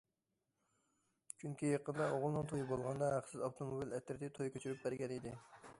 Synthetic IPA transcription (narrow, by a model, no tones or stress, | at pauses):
t͡ʃʰyŋkʲijeqʰənd̪ɑʔoʁʊlˠnɨŋt̪ʰojibolˠʁɑnd̪ɑɦæqsɪzɑft̪ʰomobilɛt̪ɾɪt̪ʰɪt̪ʰojkʲʰøt͡ʃʰyɾyp̚bæɾɡʲɛnid̪ɪ